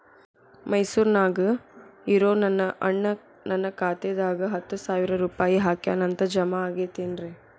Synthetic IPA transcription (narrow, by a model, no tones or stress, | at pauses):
mɐjsuːɾnaːɡɯiɾoːnɐnːɐʔɐ̰ɳːɐ | nɐnːɐkaːt̪ed̪aːɡɐɦɐt̪ːusaːʋɪɾɐɾuːpaːjiɦaːkja̰ːnɐnt̪ɐd͡ʒɐmɐaːɡeːt̪eːnɾe